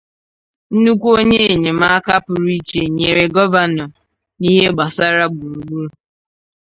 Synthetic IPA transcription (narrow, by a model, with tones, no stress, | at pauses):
n̩˦nu˦kʷo˦ɲe˦e˨ɲe˨ma˦a˦ka˦pʊ˨ɾi˦t͡ʃe˨ɲe˨ɾe˨ɡɔ˦va˨nɔ˨ | ni˦ɦe˦ɡ͡ba˨sa˦ɾa˦ɡ͡bu˨ɾu˨ɡ͡bu˦ɾu˨